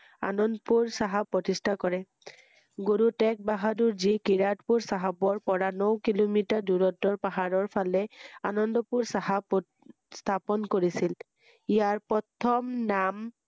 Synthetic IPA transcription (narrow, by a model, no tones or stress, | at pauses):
a̰nɔndɔpuɹsaɦapɹɔtistʰakɔɹɛ | ɡoɹutɛk̚baɦaduɹzikiɹatpuɹsaɦabɔɹpɔɹanɔwkilomitaduɹɔtɔɹpaɦaɹɔɹpʰalɛanɔndɔpuɹsaɦapɔ | st̪ʰapɔnkoɹisil | ijaɹpɔtʰɔmnam